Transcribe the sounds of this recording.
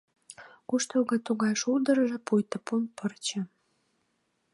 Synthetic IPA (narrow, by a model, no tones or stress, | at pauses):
kuʃt̪oɣɑt̪uɣɑjʃuld̪ə̆ɾəʒĕpujt̪əpunpərt͡ɕə̆